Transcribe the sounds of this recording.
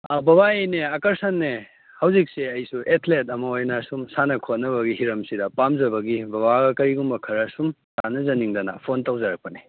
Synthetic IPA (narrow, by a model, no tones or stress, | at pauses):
bɐbaejneɐkɐɾsɐnːe | hɐwzik̚seɐjsuʔetʰletɐmɐojnɐsumsanɐkʰot̚nɐβɐɡiɦiɾɐmsidɐpamzɐbɐɡibɐβaɡɐkɐɾiɡumbɐkʰɐɾɐsum | sanɐzɐniŋdɐnɐ̰pʰontawzɐɾɐk̚pɐni